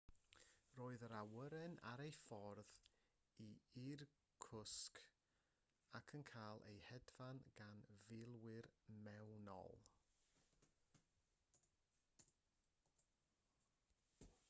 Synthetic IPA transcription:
roːɨðəɾawəɾɛna̰ɾejfɔrð | iir | kʰʊsk | akʰənkʰaːlˠʔḛjhɛdvanɡ̥anvɪlˠwɪrmɛwnɔ̰lˠ

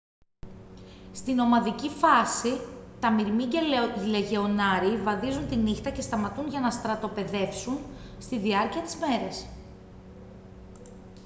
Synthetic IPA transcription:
st̪ino̞mɐðicifɐsit̪ɐmiɾmiceleʝe̞o̞nɐɾivɐðizunt̪inixt̪ɐce̞st̪ɐmɐt̪unʝɐnɐst̪ɾɐt̪o̞pe̞ðe̞fsunst̪iðiɐɾciɐt̪i̥zme̞ɾes

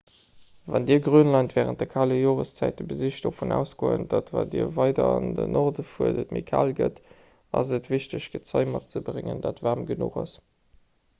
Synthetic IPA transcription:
vɑndiːɐɡʁyːənlɑɪntvɛːʁənt̚dɛkʰaləjoːʁəst͡sæɪt̚dəbəziɕtd̥oːfonæ̰ːʊsɡ̥oːənd̥atvadiːɐvɑɪdɐɑndənʔɔʁdəfuəɐdətmekʰaːlɡət | ɑzətv̥iɕtəɕɡ̥ət͡sɑɪmɑt̚t͡səbʁɪŋəndaːtvaːmɡənṵχɑs

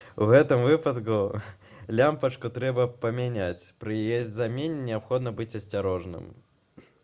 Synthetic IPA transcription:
uɣɛt̪ɨmvɨpɐt̪ku | lʲampɐt͡ʂkut̪ɾɛbɐpɐmʲanʲat͡sʲpɾɨjjesʲdʲzamʲenʲinʲɪapxɔd̪nɐbɨt͡sʲɐsʲt͡sʲaɾɔʐnɨ̰m

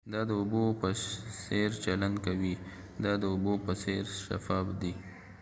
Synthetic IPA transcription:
d̪ɑd̪əʊbopəseɾt͡ʃaland̪kawi | d̪ɑd̪əʊbopəseɾʃa̰fɑbd̪i

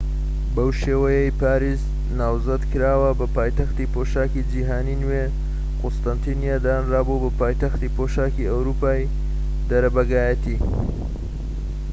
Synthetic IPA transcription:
bɐwʃeːwɐjejpaːɾiːz | naːwzɐd̪kɨɾaːwɐbɐpaːjt̪ɐxt̪iːpʰoːʃaːkid͡ʒiɦaːninwe | qʊst̪ɐnt̪ʰiːnjaːd̪aːnraːbubɐpaːjt̪ɐxt̪iːpʰoʃaːkiɐwɾuːpaːj | d̪ɐɾɐbɐɡaːjɐt̪iː

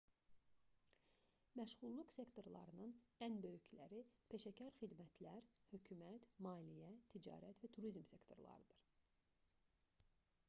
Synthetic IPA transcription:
mæʃɣulˠːuqse̞kt̪o̞ɾlˠɑ̰ɾɯnɯnænbø̞jycʰlæ̰ɾipʰe̞ʃæcʰɑɾxid̪mæt̪ʰlæɾhøcʰymæt̪mɑːlijæt̪ʰid͡ʒɑ̰ːɾæt̪væt̪ʰuɾizmse̞kt̪ʰo̞̰ɾlˠɑ̰ɾɯd̪̥ɯɾ̥

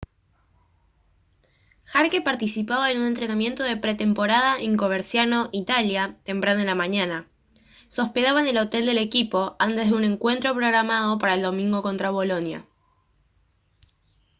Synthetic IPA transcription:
xaɾkepaɾt̪isipaβae̞nunent̪ɾe̞namje̞nt̪oð̞e̞pɾet̪e̞mpo̞ɾað̞aʔiŋkoβeɾsjano̞ʔit̪aljat̪e̞mpɾanoelamaɲana | so̞spe̞ðaβaene̞lo̞t̪e̞ld̪e̞le̞kipo̞ant̪e̞zðeune̞ŋkwe̞nt̪ɾo̞pɾo̞ɣɾamað̞o̞paɾaeld̪o̞mĩŋɡo̞ko̞nt̪ɾaβ̞o̞lo̞nja̰

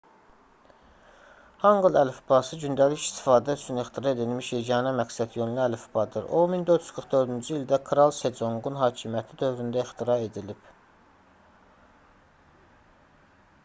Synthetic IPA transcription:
hɑŋɡɯlˠælfbɑsɯɟynd̪æliçi̥st̪i̥fɑːd̪æyt͡ʃʰynixt̪ʰiɾɑe̞d̪ilmiʃiɟɑːnɑmæksæd̪jønliælfbɑd̪ɯɾomind̪øt̪ʰyzkʰɯɾχd̪ø̞ɾd̪ynd͡ʒyild̪ækʰɾɑlˠse̞d͡ʒo̞ŋɡunɦɑːcʰimijæt̪ʰid̪ø̞vɾynd̪æixt̪iɾɑe̞d̪ilib̥

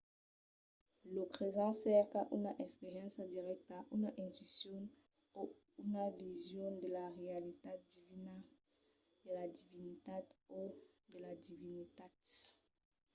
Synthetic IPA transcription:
lokχezɑ̃sɛʁkaʔunaʔɛspeʁjɑ̃sad̪iʁɛk̚t̪aʔunaʔɛ̃nt̪ɥisjɔn | o | unavizjɔ̃nd̪elaʁealit̪adivina | d̪elad̪ivinit̪at̪o | d̪elad̪ivinit̪at̪

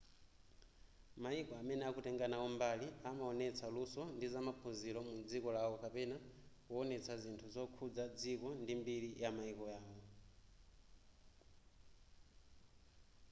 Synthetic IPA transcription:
maikɔamɛnɛakutɛŋɡanawɔmbaliamaɔnɛt͡sʰalusɔndizamapʰuzilɔmud͡zikɔlawɔkapɛnakuɔnɛt͡sʰazintʰuzɔkʰud͡zad͡zikɔndimbiɾijamaikɔjaːwɔ

